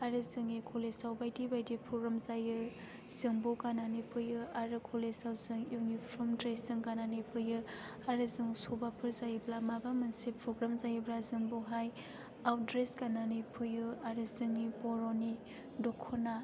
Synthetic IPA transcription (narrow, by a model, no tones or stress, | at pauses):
aɾɯzɯŋikʰolesawbajdibajdipʰuɡɾɔmzajɯ | z̥ɯŋbokananipʰɯjɯaɾɯkʰolesawzɯŋjunipʰɾɔmdɾeszɯŋkananɯjpʰɯjɯ | aɾɯzɯŋsɔbapʰɯɾzajɯblamabamɯnsipʰɾoɡɾamzajɯblazɯŋboɦaj | awdɾeskananɯjpʰɯjɯaɾɯzɯŋnipɔɾoni | dɔkʰɔna